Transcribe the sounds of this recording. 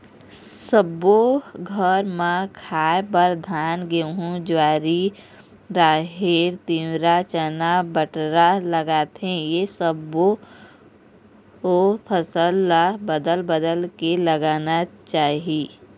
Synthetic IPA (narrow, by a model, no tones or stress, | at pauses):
səboɡʱəɾmãkʰaːebəɾd̪ʱaːnɡeɦũd͡ʒʋaːɾi | ɾaːɦeɾt̪iwɾat͡ʃənabəʈɾaləɡaːt̪ẽjesəbo | opʰəsəlːabəd̪əlbəd̪əlkeləɡaːnat͡ʃaːɦie